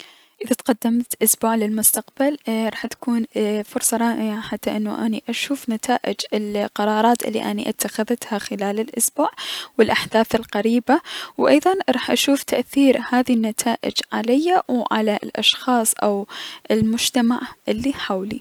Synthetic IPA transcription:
ʔɪðat̪qad̪ːamt̪ʔʊsbuːʕlɪlmʊst̪aqbalɾˤɑːħt̪ḁkuːnfʊɾsˤɑɾˤɑːʔɪʕaħat̪ːaʔɪnːṵʔaniʔaʃuːfnat̪ʰaːʔɪd͡ʒɪlqɑɾˤɑːɾˤɑːt̪ʔɪ̰lːḭʔanḭʔɪt̪ʰːaxaðt̪haxɪlaːlɪlʔʊsbuːʕwɪlʔaħd̪aːθɪlqaɾiːbawʔɑjðˤɑnɾˤɑːħʔaʃuːft̪ʰaʔθiːɾhaːðinːat̪ʰaːʔɪ̰d͡ʒʕalajːawʕa̰lalʔɑ̰ʃxɑːsˤʔa̰wʔɪlmʊd͡ʒt̪amaʕʔɪlːiħawlḭ

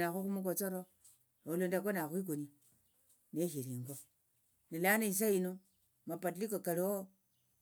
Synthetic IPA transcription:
axuxumukot͡soɾo | olondak̬onaxwik̬uni | neʃiɾiːŋɡo | nilanais̬aino | mapat̬iikokalio

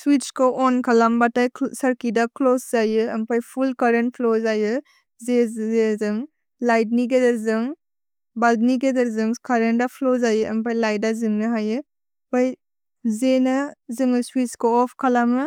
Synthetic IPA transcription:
swit͡ʃkɔʔɔnkʰɐlambatajsɐɾkidakloszajɯɐmpajpʰulkaɾent̚pʰlozajɯ | zeezɯŋ | lajdniɡedɐɾzɯŋ | baldniɡedɐɾzɯŋkaɾendapʰlozajɯɐmpajlajdazɯŋnɯɦajɯ | paj | zenɯzɯŋɯswiskɔːpʰkʰalamɯ

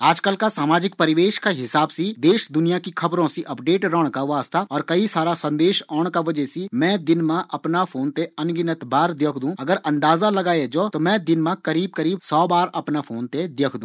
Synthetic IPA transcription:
aːd͡ʒkəlkasaːmaːd͡ʒɪk̚pɐɾɪʋeːʃkaɦɪsaːbsid̪eːʃd̪ʊnijakikʰɐbɾõsiʔɐpɖeːʈɾɔːɽ̃kaʋaːst̪aɔːɾkɐisaːɾasɐ̃nd̪eːʃɔːɽ̃kaʋɐd͡ʒɛsimɛ̃ːd̪ɪnmãʔɐpnafʰoːnt̪eɐnɡɪnət̪baːɾd̪eːkʰd̪ũːɐɡəɾʔɐ̃nd̪aːzalɐɡaːed͡ʒoːt̪omɛ̃ːd̪ɪnmãkɐɾiːb̚kəɾiːb̚sɔːbaːɾɐpnafʰoːnt̪ed̪eːkʰd̪ũː

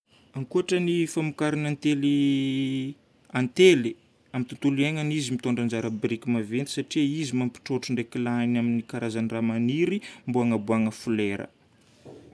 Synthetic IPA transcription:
aŋkuaʈ͡ʂənifamukaɾinant̪eli | ant̪eli | amit̪ut̪uliaŋanizimit̪oɳɖ͡ʐand͡ʒaɾəbɾikʲimavent̪isaʈ͡ʂiizimampi̥ʈ͡ʂoʈ͡ʂuɳɖ͡ʐekilanaminikaɾazaniramaniɾimbuaŋəbuaŋəfuleɾə̰

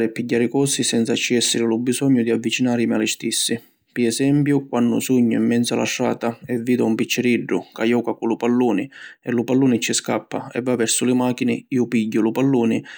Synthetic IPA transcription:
ɾɪɛpːiɟːaːɾɪkɔsisɛnt̪sat͡ʃːiɛsːɪɾɪlubisɔɲːʊd̪iavːit͡ʃinaːɾɪmialɪst̪isːɪ | piɛsɛmpjʊkwanːʊ̰suɲːʊimːɛnt̪sa̰lʔa̰ʃːa̰ːt̪aɛvːiːd̪aumpit͡ʃːɪɾiɖːʊ̰kajɔːkakulʊpalːuːnɪɛlːʊpalːuːnɪt͡ʃːiskapːa̰ɛ̰vːavːɛɾsʊlɪmaːkinɪiːʊpiɟːʊlʊpalːuːnɪ

